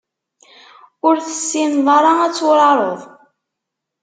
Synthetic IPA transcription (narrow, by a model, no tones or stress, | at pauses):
ʊɾθə̥sːinðˤɑɾˤɑæt͡sːʊɾˤɑɾˤoðˤ